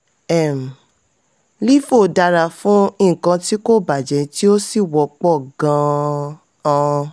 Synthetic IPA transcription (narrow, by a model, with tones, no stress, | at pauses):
ɛ˨m̩˨ | li˦fo˦˨da˧ɾa˨fũ˦ĩ˦˨kã˧ti˦ko˦˨ba˨d͡ʒɛ˨ti˦o˦si˦˨wɔ˨˦k͡pɔ˦˨ɡã˧˦ | ã˦˧